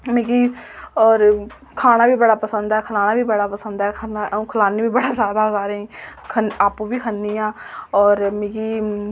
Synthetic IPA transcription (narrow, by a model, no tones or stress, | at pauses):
mẽːɡiːɔːɾ | kʰaːɽ̃aːbiːbəɽaːpəsənd̪ɛːkʰəlaːnaːbiːbəɽaːpəsənd̪ɛːkʰənãkʰəlaːniːbiːbəɽaːzjaːd̪aːsaːɾeĩːkʰənaːpuʋiːkʰənːiːãːɔːɾmẽːɡiː